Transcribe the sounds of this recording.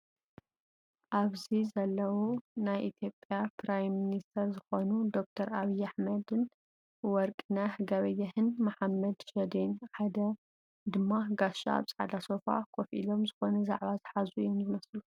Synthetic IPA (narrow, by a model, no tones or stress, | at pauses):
ʔaβzizɐlːɐwunajʔit̪ʰjopʼjapʰɾajmːinist̪ʰɐɾzɨxo̞nud̪o̞k̚t̪ʰɐɾaβijːaħmɐd̪ɨn | wɔɾkʼnahɡɐβɐjːɐhɨnmaħamːɐd̪ʃɐd̪enħad̪ɐ | d̪ɨmːaɡaʃa̰a̰βt͡sʼʕa̰d̪aso̞fa̰kʰofʔḭlo̞mzɨxo̞nɐza̰ʕβazɨħazuijomzɨmɐslu